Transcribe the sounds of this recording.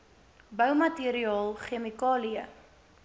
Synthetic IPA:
bəwmɐtiɾiɑːlˠχemikɑːliə

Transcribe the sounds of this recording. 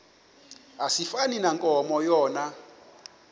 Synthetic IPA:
asifaninaŋkʼɔmɔjɔːna

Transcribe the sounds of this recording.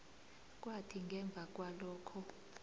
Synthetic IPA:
k̬ʼwatʰiŋɡʱɛɱb̪vʱak̬ʼwalɔːkʰɔ

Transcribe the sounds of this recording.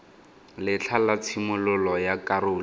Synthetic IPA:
lɪt͡ɬʰalat͡sʰimʊlʊlɔjakʼarʊːl

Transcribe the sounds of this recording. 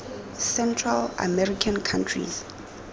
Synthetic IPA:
sɛntʰrala̰mɛɾikʰankʰãntʰrḭz

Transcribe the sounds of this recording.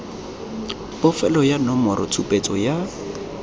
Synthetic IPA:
pɔfɛlɔjanɔmɔɾʔɔ̰t͡sʰupʼet͡sʼɔja

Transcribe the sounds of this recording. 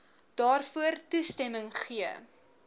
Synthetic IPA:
d̥ɑːrfuərtustɛməŋχiə

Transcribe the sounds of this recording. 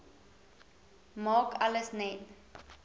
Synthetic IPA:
mɑːkʰaləsnɛn

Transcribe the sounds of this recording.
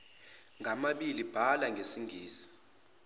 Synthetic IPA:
ŋʱamaɓilib̥ʱalaŋʱesiŋʱiːsi̥

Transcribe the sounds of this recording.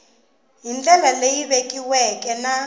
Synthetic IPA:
ɦind͡ɮɛlalejiβekʼiwɛkʼɛna

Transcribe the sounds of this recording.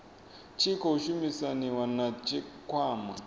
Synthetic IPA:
t͡ʃʰikɔuʃumisaniwanat͡ʃikʰwaːma̰

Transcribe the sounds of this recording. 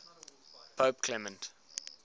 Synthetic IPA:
pʰoːp̚kʰlɛmə̃nt

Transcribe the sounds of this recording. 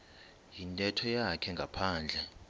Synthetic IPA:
jintʼɛtʰɔjakʰɛŋɡʱapʰaːnd͡ɮʱɛ

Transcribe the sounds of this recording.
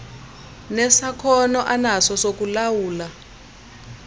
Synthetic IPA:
nɛsakʰɔnɔʔanasɔsok̬ulawuːla

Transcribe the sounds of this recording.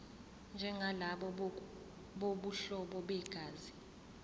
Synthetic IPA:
nd͡ʒʱɛŋɡʱalaɓɔ | ɓoɓuɬɔɓɔɓɛɡ̥ʱaːzi

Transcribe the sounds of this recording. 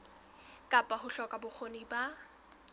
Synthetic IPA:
kʼapʼaɦʊɬɔkʼabʊk͡xʰoniba

